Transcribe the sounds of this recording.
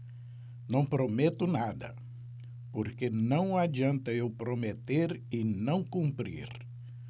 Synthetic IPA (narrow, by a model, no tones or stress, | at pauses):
nɐ̃w̃pɾomet̪ʊnad̪ɐ̰ | poɾkenɐ̃w̃ad͡ʒiɐ̃nt̪ɐewpɾomet̪eɾɪnɐ̃w̃kũmpɾḭɾ